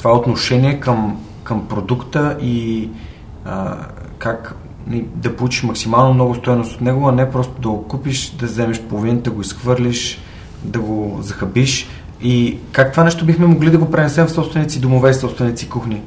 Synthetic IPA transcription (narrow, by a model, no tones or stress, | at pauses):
t̪o̥vaɛot̪noʃɛniɛkəm | kəmpɾod̪ukt̪əʔi | kak | id̪ɐpolˠut͡ʃi̥ʃmɐksimalˠnomnɔɡʊst̪ɔjnost̪ot̪nɛɡoɐnɛpɾɔst̪od̪ɐokupiʃd̪ɐzɛmɛʃpolˠovind̪ɐɡoisxvɤɾliʃ | d̪ɐɡozɐxɐbiʃ | ikak̚t̪ovanɛʃt̪obixmɛmoɡlid̪ɐɡopɾɛnɛsɛmfsɔpst̪vɛnit̪sid̪omovɛisɔpst̪vɛnit̪sikuxni